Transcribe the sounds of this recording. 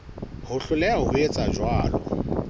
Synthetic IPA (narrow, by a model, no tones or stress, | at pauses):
hʊɬʊlɛaɦʊhʊet͡sʼad͡ʒwaːlɔ̰